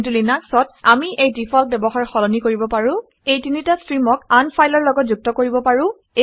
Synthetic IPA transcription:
tulinaksɔtamiʔejdipʰalp̚bɛbɔxaɹxɔlɔnikoɹibɔpaɹʊ̃ | ejtinitastɹimɔkanpʰajlɔɹlɔɡɔt̚zuk̚tɔkoɹibɔpaɹʊ̃ | e

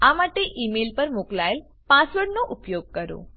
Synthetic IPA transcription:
amaʈeʔimelpəɾmʊklael | pãsʋəɾɽnoʔʊpjoɡ̚kəɾo̰

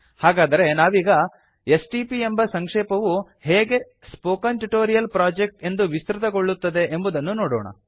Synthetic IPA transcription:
haːɡaːd̪ɐɾe̞naːʋiːɡɐ | esʈiːpiembɐsɐŋkʂeːpɐʋu | heːɡe̞ | spoːkɐnʈuʈoːɾijɐlpɾaːd͡ʒek̚ʈe̞nd̪uʋist̪ɾut̪ɐɡoɭːut̪ːɐd̪e̞ʔembud̪ɐnːunoːɽoːɳɐ̰

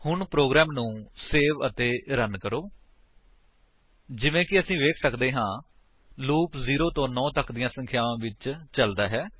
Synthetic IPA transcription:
hʊɳpɾoːɡɾɛːmnũːseːʋət̪eːɾənkəɾoː | d͡ʒɪʋẽːkɪəsĩːʋeːkʰsəkd̪eːɦãː | luːpziːɾoːt̪õːnɔ̃ːt̪əkd̪ɪjãːsə̃ŋkʰjaːʋãːʋɪt͡ʃt͡ʃəld̪aːɦɛː

